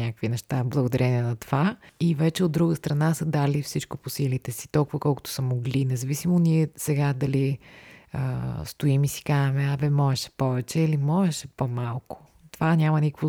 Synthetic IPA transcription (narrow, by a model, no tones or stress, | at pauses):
nʲakəkvinɛʃt̪ablˠəɡod̪ɐɾɛniɛnɐt̪ovaivɛt͡ʃɛod̪ːɾuɡəst̪ɾɐnasəd̪alifsit͡ʃkoposilit̪ɛsi̥t̪ɔlˠkʊvəkɔlˠkʊt̪o̥səmoɡlinɛzɐvisimoniɛsɛɡad̪ɐli | ə̰st̪oimisi̥kamɛavɛmɔɛʃɛ̥pɔvɛt͡ʃɛilimɔɛʃɛpomalˠkʊ̥ | t̪ovanʲamɐnʲikkvo